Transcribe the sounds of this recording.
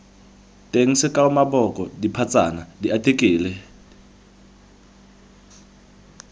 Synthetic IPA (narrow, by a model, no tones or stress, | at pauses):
tʼeŋ̩sɪkʼaumabɔkʼɔdipʰat͡sʼa̰nadiʔatʰʼekʼiːlɛ